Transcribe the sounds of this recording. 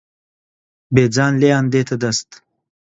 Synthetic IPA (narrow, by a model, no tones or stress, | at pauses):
beːd͡zɑːnleaːnd̪eːt̪ɐd̪ɐst̪